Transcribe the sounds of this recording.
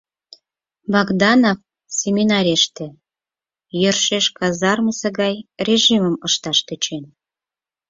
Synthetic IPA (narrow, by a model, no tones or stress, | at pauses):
bɑɡd̪ɑnof | sʲemʲinɑɾʲeʃt̪ĕ | jørʃeʃkɑzɑrməsĕɣɑjrʲeʒiməməʃt̪ɑʃt̪ə̆t͡ɕen